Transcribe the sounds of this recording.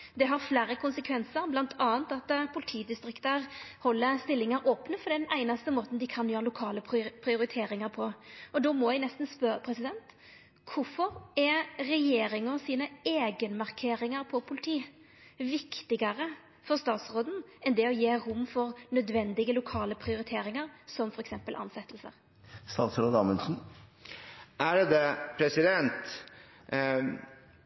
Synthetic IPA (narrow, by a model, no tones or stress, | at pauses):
d̪ɛɦɑʁflæːɾəkʰʊnsəkʰʋɛnsəɾblɑnt̪ʰɑːənt̪ɑt̪ːpʰʊlɪt̪ʰiːd̪ɪst̪ɾɪkt̪əɾhɔlːəst̪ɪlːɪŋɑɾoːpnəpɔɾd̪ɛnæɪnɑst̪əmoːt̪n̩d̪ɪkʰɑnjøːɾəlʊkʰɑːləpʰpʰɾɪʊɾɪt̪ʰeːɾɪŋɑɾpʰɔʔɔd̪ɔmɔʋæɪnɛst̪n̩spœəpʰɾɛsɪd̪ɛnt̪ | kʰʊfɔɾɛɾɛjeːɾɪŋɔsiːnəeːɡənmɑʁkʰeːɾɪŋəɾpʰɔpʰʊlɪt̪ʰiː | ʋɪkt̪ɪɡəɾə | fɔʁst̪ɑːt̪sʁoːd̪n̩ɛnd̪ɛɔjeːɾʊmːfɔɾnœd̪ʋɛnd̪ɪɡəlʊkʰɑːləpʰɾɪʊɾɪt̪ʰeːɾɪŋəɾsɔmfɔɾɛksɛmpəlʔɑ̰nsɛt̪ːlsə̰ʁ | st̪ɑːt̪sɾoːd̪ɑːmənsn̩ | ʔæɖd̪ɛpʰɾɛsɪd̪ɛnt̪